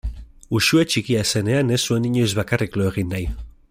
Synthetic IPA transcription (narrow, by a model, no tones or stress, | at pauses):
uʃuet͡ʃikiase̞ne̞ane̞sue̞niɲojzβakarikloeɣ̞inːaj